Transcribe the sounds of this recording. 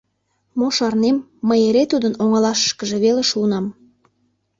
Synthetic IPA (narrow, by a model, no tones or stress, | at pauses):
moʃɑrnemː | əjeɾet̪ud̪ənoŋɑlɑʃə̥ʃkəʒeβeleʃuːnɑm